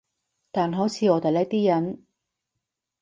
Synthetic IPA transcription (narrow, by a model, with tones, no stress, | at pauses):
t̪aː˨nɦo˨˥t͡sʰiː˨˧ɔː˨˧t̪e˨jlɛ˥k̚t̪iː˥jɐ˨˥n